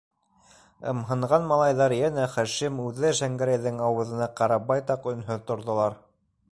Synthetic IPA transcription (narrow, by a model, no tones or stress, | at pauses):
ɤ̰̆mɦɤ̆ɴʁɑnmɑlˠɑjðɑɾjænæχæʃimʉðɘʃæŋɡæɾæjðɘŋɑwɤ̆ðɤ̆nɑqɑɾɑbɑjt̪ɑqɵ̆nɦɵðt̪ŏɾðŏlˠɑɾ